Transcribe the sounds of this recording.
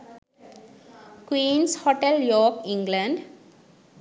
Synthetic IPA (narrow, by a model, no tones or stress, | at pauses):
kwĩːnshɔʈeljɔːkĩŋɡlãɳɖ